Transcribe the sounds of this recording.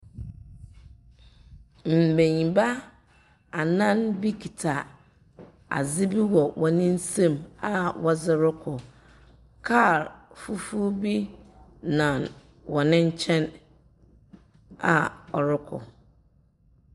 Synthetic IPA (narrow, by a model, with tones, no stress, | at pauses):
m̩˨bẽ˨ɲĩ˨ba˦ | a˨nã˦nbi˦kʰi˨tʰa˨ | a̰˨zɪ˦bi˦wɔ˨wʔɔ˨nɪ̃˦n̩˦sẽ˦˨ma˨wɔ˦zɪ˦ɾʊ˦kʰʊ˨ | kʰa˦˨ɾfu˦fu˦bi˦ | nã˨n | wɔ˨nɪ̃˦ɲ̩˦t͡ɕʰɛ̃˦n | a˨ɔ˨ɾɪ˦kʰʊ̰˨